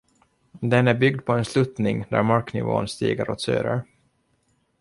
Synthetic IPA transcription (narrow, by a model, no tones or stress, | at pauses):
d̪ɛnæɾbʏɡd̪̚pʰɔɛnslɵt̪nɪŋd̪æ̰ɾmaɾknɪ̰vo̰ːənst̪ḭːɡəɾɔ̰t̪sø̰ːɾə̰ɾ